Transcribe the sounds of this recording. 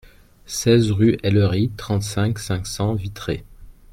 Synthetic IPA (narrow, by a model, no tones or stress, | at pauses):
sɛzʁyʔɛlʁit̪χɑ̃t̪sɛ̃ksɛ̃ksɑ̃vit̪χe